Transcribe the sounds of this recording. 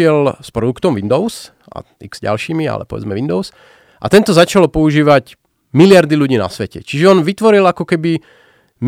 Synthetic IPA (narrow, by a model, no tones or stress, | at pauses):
ɪɛlspɾɔd̪ukt̪ɔmʋind̪ɔʊs | ʔa̰ | iɡz̥ɟa̰lʃiːmia̰lɛ̰pɔʋɛ̰d͡zmɛʋind̪ɔʊs | ʔat̪ɛnt̪ɔzat͡ʃalɔpɔuʒiːʋaɟ | milɪaɾd̪iʎuɟiːna̰sʋɛcɛ̰t͡ʃiʒɛɔnʋit̪ʋɔɾilakɔkɛbi | m